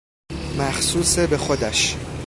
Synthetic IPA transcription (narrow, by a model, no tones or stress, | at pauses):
mæxsuːsebe̞xo̞d̪æʃ